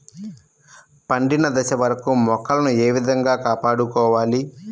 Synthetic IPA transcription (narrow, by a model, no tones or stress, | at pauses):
pɐɳɖinɐd̪ɐʃɐʋɐɾɐkumɔkːɐlɐnue̞ːʋid̪ʱɐŋɡaːkaːpaːɽukɔːʋaːli